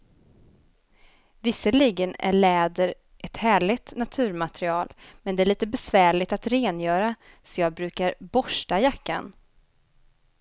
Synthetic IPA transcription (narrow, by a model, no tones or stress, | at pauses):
vɪsːəliɡənæ̰ɭɛːd̪əɾ | ʔɛt̪hæːɭɪɡt̪nat̪ʰʉ̟ːɾmat̪ɾɪɑːlmɛnd̪ɛæɭiːt̪əbɛsvæːɭɪt̪at̪ɾeːnjœːɾa | sɔjɑːɡ̚bɾʉ̟ːkaɾbɔʂʈajakːa̰n